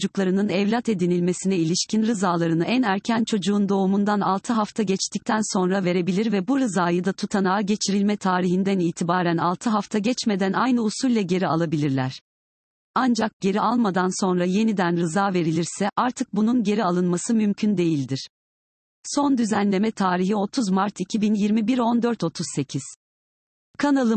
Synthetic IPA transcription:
d͡ʒuklˠaɾɯnɯnɛvlʲat̪e̞d̪inilʲme̞sinɛilʲiʃcʰinɾɯzaːlˠaɾɯnɯʔænæɾcʰænt͡ʃʰo̞d͡ʒuːnd̪o̞umund̪ana̰lˠt̪ʰɯɦaft̪ʰaɟɛt͡ʃt̪ʰic̚t̪ʰænso̞nɾave̞ɾe̞bilʲiɾvɛbuɾɯzaːjɯd̪at̪ʰut̪ʰanaːɟe̞t͡ʃʰiɾilʲmɛt̪ʰaːɾiɦind̪æniːt̪ʰibaːɾænalˠt̪ʰɯɦaft̪ʰaɟɛt͡ʃme̞d̪ænajnɯusulʲːˠɛɟe̞ɾia̰lˠabilʲiɾlʲæɾ̥ | and͡ʒak̚ɟ̥e̞ɾiʔalˠmad̪anso̞nɾaje̞nid̪ænɾɯzaːve̞ɾilʲiɾsɛʔaɾt̪ʰɯk̚bununɟe̞ɾialˠɯnmasɯmymcʰynd̪e̞jilʲd̪iɾ̥ | so̞nd̪yzænlʲe̞mɛt̪ʰaːɾiɦio̞t̪ʰuzmaɾt̪ʰicʰibinjiɾmibiɾo̞nd̪øɾt̪ʰo̞t̪ʰuz̥se̞cʰiz̥ | kʰanalˠɯ

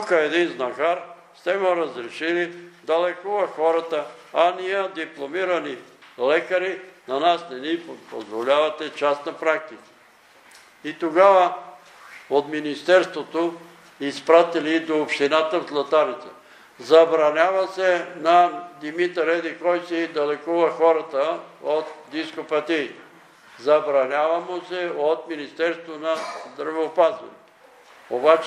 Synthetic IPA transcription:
kəɛd̪inznɐɡaɾst̪ɛmoɾɐzɾɛʃilid̪ɐlɛkovɐxɔɾɐt̪əanijəd̪iplˠomiɾɐnilɛkɐɾinanasnɛnippozvolʲavɐt̪ɛt͡ʃasnɐpɾak̚t̪ikə̥ | it̪oɡavɐ | ot̪minist̪ɛɾst̪vot̪o | ispɾat̪ilid̪oopʃt̪inat̪əvzlˠɐt̪aɾit̪t̪ə | zɐbɾɐnʲavɐsɛnɐd̪imit̪ɾɛd̪ɛkɔjsɛid̪ɐlɛkuvɐxɔɾɐt̪əot̪d̪iskopɐt̪iit̪ɛ | zɐbɾɐnʲavɐmosɛot̪minist̪ɛɾst̪vonɐzd̪ɾɐvɛopazvɐ̰nɛt̪o | obat͡ʃ

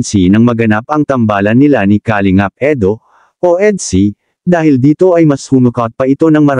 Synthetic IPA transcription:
nsinɐŋmɐɡɐnap̚ɐŋt̪ɐmbaːlɐnːɪlanɪkaːlɪŋap̚ʔɛd̪o̞ | ʔoʔɛd̪si | d̪aːhɪld̪iːt̪o̞ɐjmɐshuːnʊkawt̪̚pɐʔɪt̪o̞nɐŋmɐɾ

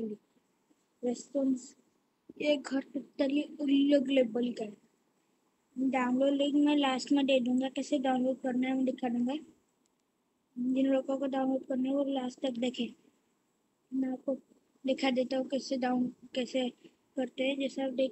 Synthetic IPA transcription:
li | ɾɛːsʈoːns | eːk̚ɡʱɐɾt̪ʊt̪ːalieʊləɡleːbəlɡəɾ | ɖaːʊ̃nloːɖlĩŋɡmẽlaːsʈmẽɖeːd̪ũːŋɡakɛːseɖaːʊ̃nloːɖkɐɾnaɦɛmɛ̃d̪ɪkʰad̪ũːŋɡa | d͡ʒɪnɾoːkõkoɖaʊ̃nloːɖkɐɾnaɦɛʋolaːsʈt̪ɐkd̪eːkʰẽː | mɛ̃aːp̚ko | d̪ɪkʰad̪eːt̪aɦũkɛːseɖaːʊnkɛːse | kɐɾt̪eɦɛ̃d͡ʒɛːseɖeː

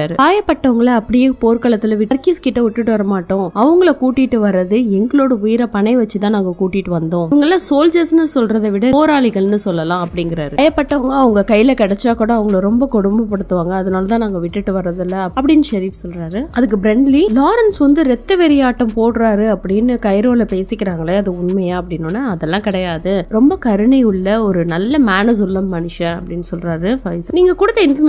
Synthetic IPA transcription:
aːɾɯkaːjɐpːɐʈːɐʋɐŋɡɐɭɐɐpːɐɽɪjeːpoːɾkɐɭɐt̪ːɪlɐʋɪʈːɐɾkiːskɪʈːɐʊʈːɯʈːɯʋɐɾɐmaːʈːõːɐʋɐŋɡɐɭɐkuːʈːɪʈːɯʋɐɾːɐðɯɛŋɡɐɭoːɽɐʊjɪɾɐpɐɳɐɪʋɐt͡ʃːɯt̪ãːnaːŋɡɐkuːʈːɪʈːɯʋɐnd̪õːʋɐŋɡɐɭlːãːsoːld͡ʒɐsnɯsɔlrɐðɐʋɪɽɐoːɾaːɭɪɣɐɭnɯsɔlːɐlãːɐpːɐɽɪŋɡɪɾaːɾɯjɐpːɐʈːɐʋɐŋɡɐɐʋɐŋɡɐkɐjːɪlɐkɛɽɛt͡ʃːaːkuːɽɐɐʋɐŋɡɐɭɾɔmbɐkɔɽʊmbɐpːɐɽɯt̪ːɯʋaːŋɡɐːðɐnaːlɐt̪ãːnaːŋɡɐʋɪʈːɯʈːɯʋɐɾːɐðɪlːɐɐpːɐɽɪnːɯʃɐɾiːfsɔlraːɾɯɐðɯk̬ːɯbɾɛɳɖlilaːɾɐnsʋɐnd̪ɯɾɛt̪ːɐʋɛɾɪjaːʈːɐmpoːɽɯɾaːɾɯɐpːɐɽɪnːɯkɐɪɾoːlɐpeːsɪkːɪɾaːŋɡɐɭɛɐðɯʊɳmɐjaːɐpːɐɽɪnːʊnːaɐðɛlːãːkɪɽɐjaːðɯɾɔmbɐkɐɾɯɳɐʊɭːɐɔɾɯnɐlːɐmaːnɐs̬ʊlːɐmɐnɪʃɐ̃ɐpːɐɽɪnːɯsɔlraːɾɯfɐɪsniːŋɡɐkʊɽɯt̪ːɐɪn

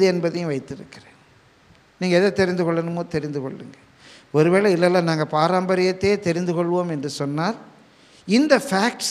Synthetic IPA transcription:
ɯɛnbɐðɐjʊ̃ʋɐɪt̪ːɪɾɯ̰kːɪɾẽː | niːŋɡɐɛðɐt̪ːɛɾɪnd̪ɯkɔɭːɐnɯmoːt̪ɛɾɪnd̪ɯkɔɭːɯ̰ŋɡɐ | ɔɾɯʋeːɭɐɪlːɐlːãːnaːŋɡɐpaːɾaːmbɐɾɪjɐt̪ːeːt̪ɛɾɪnd̪ɯkɔɭːɯʋoːmɛndrɯsɔnːaːɾ | ɪnd̪ɐfaːk̚ʈs

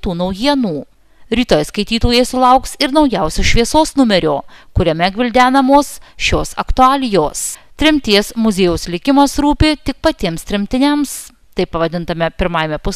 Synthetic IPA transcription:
t̪uːnɐʊjiɛnuː | ɾʲiːt̪oːjɛskɐɪt̪ʲiːt̪oːjeːsʊlˠɐʊksɪɾnɐʊjɛʊsʲuʃʲʋʲiɛsoːsnʊmʲɛɾʲoːkʊɾʲɛmʲɛɡʲʋʲɪlʲd̪ʲæːnɐmoːsʃʲoːsɐ̰kt̪ʊɑːlʲɪjoːst̪ʲɾʲɪmʲt̪ʲiɛsmʊzʲeːjʊslʲɪkʲɪmɐsɾuːpʲɪt̪ʲɪk̚pɐt̪ʲiɛmst̪ʲɾʲɪmʲt̪ʲɪnʲɛms | t̪ɐɪpːɐʋɐd̪ʲɪnt̪ɐmʲɛpʲɪɾmɑːjmʲɛpʊsʲ

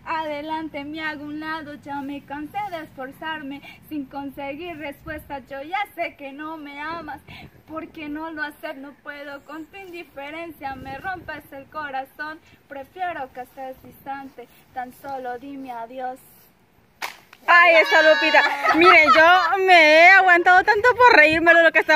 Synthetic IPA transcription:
aðelant̪emaɣounlaðod͡ʒamekanseðeːsfoɾsaɾmesiŋkonseɣiɾrespwest̪ad͡ʒojasekenomeamaspoɾkenoloasepnopweðokont̪uind̪ifeɾensjamero̞mpeselkoɾaso̞npɾefje̞ɾokesesist̪ant̪e | t̪ansoloðimeaðjos | ajesaðupit̪amiɾeʝomeeaɣwant̪aðot̪ant̪opoɾreiɾmelolokese

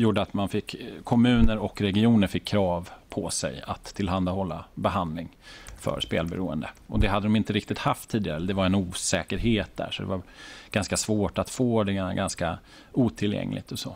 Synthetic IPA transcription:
juːɖəat̪manfɪkːkʰɔmʉ̟ːnəɾɔkɾɛɡɪuːnəɾfɪkʰːɾɑːvpʰɔsɛ̰ja̰t̪ʰːɪlɦand̪ahɔlːabɛɦand̪lɪŋ | fœ̰ɾspeːlbɛɾuːə̰nd̪ə̰ʔɔd̪ɛɦad̪əd̪ɔmɪnt̪əɾɪkt̪ɪt̪haft̪ʰːiːd̪ɪɡaɾəɛlːəɖ̪ɛvaɾɛnuːsɛːkəɾɦeːt̪̚d̪æ̰ʂɔd̪ɛ̰vaɾɡ̥anskasvoːʈat̪foːd̪ɛɡaɡanska | uːt̪ʰɪljɛ̰ŋlʔɪ̰ɡ̚t̪ɔsɔ

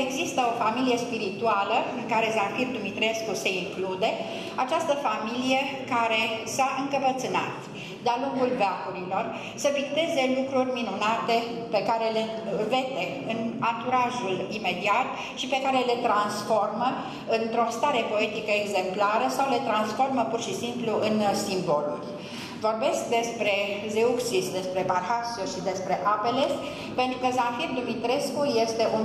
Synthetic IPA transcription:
e̞ɡzist̪əo̞familije̞spiɾit̪ualəɨŋkaɾe̞zafird̪umit̪ɾe̞skuse̞iŋklud̪e̞ | at͡ʃast̪əfamilije̞kaɾe̞saʔɨŋkəpət̪sɨna̰t̪ | d̪ealuŋɡulveakuɾilo̞r | səvik̚t̪e̞ze̞lukɾurʲminunat̪e̞ | pe̞kaɾe̞le̞ve̞t̪e̞ | ɨnant̪uɾaʒulime̞d̪iat̪̚ | ʃipe̞kaɾe̞le̞t̪ɾansfo̞rmə | ɨnt̪ɾo̞st̪aɾe̞po̞et̪ikəeɡze̞mplaɾəsawle̞t̪ɾansfo̞rməpurʃisimpluʔɨnsimbo̞lṵlʲ | vo̞rbe̞sk̚d̪e̞spɾe̞zeuksisd̪e̞spɾe̞barhasuʃid̪e̞spɾe̞ʔape̞le̞ | pe̞nt̪ɾukəzafird̪umit̪ɾe̞skuje̞st̪e̞ʔun

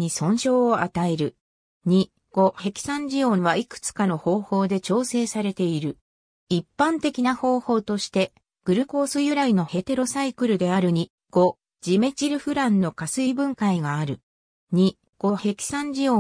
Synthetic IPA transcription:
ɲisõ̞ɰ̃ɕo̞ːʔat̪ae̞ɾɯ̟ | ɲ̟i | ɡ̥o̞he̞kʲi̥sãɲ̟d͡ʑijõ̞βaikɯ̟̥t͡sɨ̥kano̞ho̞ːho̞ːd̪e̞t͡ɕo̞ːse̞ːsaɾe̞t̪e̞iɾɯ̟ | ipːãnt̪e̞kʲinaho̞ːho̞ːt̪o̞ɕi̥t̪e̞ | ɡ̥ɯ̟ɾɯ̟ko̞ːsɨjɯ̟ɾaino̞he̞t̪e̞ɾo̞saikɯ̟ɾɯ̟d̪e̞aɾɯ̟ɲ̟i | ɡ̥o̞ | d͡ʑime̞t͡ɕiɾɯ̟ɸɯ̟ɾãnːo̞kasɨibɯ̟̃ŋkaiɡaːɾɯ̟ | ɲ̟i | ɡ̥o̞he̞kʲi̥sãɲ̟d͡ʑijo

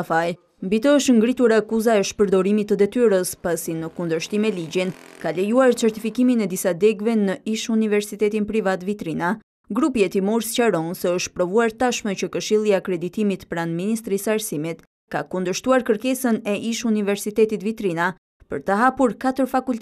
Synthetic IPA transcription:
faj | mbit̪əəʃŋɡɾit̪uɾakuzaɛʃpəɾd̪ɔɾimit̪ːəd̪ɛt̪yɾəspasinəkund̪əʃt̪imɛliɟinkalɛjuaɾt͡sɛɾt̪ifikiminɛd̪isad̪ɛɡvɛnəiʃunivɛɾsit̪ɛt̪inpɾivat̪vit̪ɾina | ɡɾupiɛt̪imuɾscaɾɔnsɛəʃt̪̚pɾɔvuaɾt̪aʃmɛcəkəʃilˠiakɾɛd̪it̪imit̪pɾand̪minist̪ɾisəaɾsimit̪ | kakund̪əʃt̪uaɾkəɾkɛsənɛʔiʃunivɛɾsit̪ɛt̪it̪vit̪ɾina | pə̰ɾt̪əɦapuɾkat̪əɾfakult̪

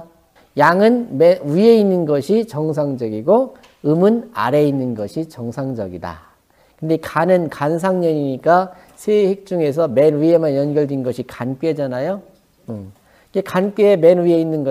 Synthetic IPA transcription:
jaŋɯnmeuie̞inːɯnɡʌɕʰit͡ɕʌŋs̬ʰaŋd͡ʑʌɡiɡo | ɯmɯna̰ɾe̞inːɯnɡʌɕʰit͡ɕʌŋsʰaŋd͡ʑʌɡida̰ | kɯnde̞kanɯnkans̬ʰaŋɲʌɲiɲik͈a | sʰehek̚t͡ɕ͈uŋe̞s̬ʰʌme̞nuiemanjʌnɡjʌɭdinɡʌɕʰikank͈ed͡ʑanajo | ɯ | ɡekanp͈eemenuie̞inːɯnɡʌ

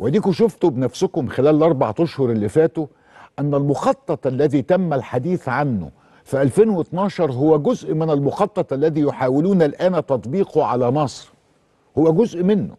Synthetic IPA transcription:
whæd̪iːkʊʃʊft̪obnæfsʊkʊmxelæːllʔɑɾˤba̰ʕt̪aʃhʊɾˤelːifæːt̪o | ʔænːælmʊxɑt̪ˤːɑt̪ˤʔælːæðiːt̪æmːælħad̪iːθʕanːʊ̰ | fiʔælfeːnwet̪nɑːʃɑɾˤɦʊwːæɡʊzʔmɪnælmʊxɑt̪ˤːɑt̪ˤʔælːæðiːjoħaːwɪluːnælʔæːnæt̪ɑt̪ˤbiːqoʕa̰læmɑsˤɾ | howːæɡʊzʔmɪnːʊ̰

